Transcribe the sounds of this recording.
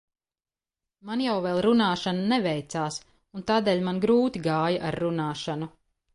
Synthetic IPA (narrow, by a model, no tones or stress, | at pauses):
manjawvɛlˠɾunaːʃananɛvɛjt̪saːs | unt̪aːd̪eːlʲmanɡɾuːt̪iɡaːjaʔaɾːunaːʃanu